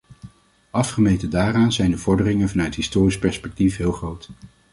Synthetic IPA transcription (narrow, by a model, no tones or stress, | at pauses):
ʔɑfχəmejtədaːraːnzɛjndəvɔɹdərɪŋənvɑnœɥtɦɪstʊːrispɛɹspɛk̚tifɦɪːlˠχrowt